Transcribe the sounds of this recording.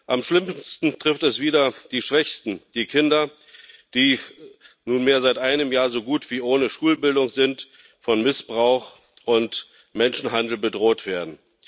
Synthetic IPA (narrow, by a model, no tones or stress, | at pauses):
ʔamʃlɪmstn̩tʁ̥ɪftɛsv̥iːdɐd̥iːʃv̥ɛçstn̩d̥iːkʰɪndɐ | d̥iː | nuːnmeːɐzaɪtʔaɪnəmjaːɐzoːɡuːtv̥iːʔoːnəʃuːlbɪldʊŋzɪnt | fɔnmɪsb̥ʁaʊx | ʔʊnt | mɛnʃn̩ɦandl̩bədʁoːtv̥eːɐdn̩